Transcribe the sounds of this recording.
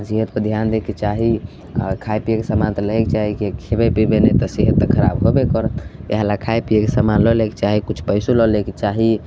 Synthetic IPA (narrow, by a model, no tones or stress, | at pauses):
siɦət̪pəd̪ʱjand̪eket͡ʃaɦi | a̰kʰajpijekesəmant̪ɔləɦɛkt͡ʃaɦikekʰebepibenet̪ɔsiɦət̪ːəkʰəɾa̰bɦobekɔɾət̪eɦalakʰajpiekesəmanlɔleke̥t͡ʃaɦikut͡ʃʰpəɪsulɔleket͡ʃaɦi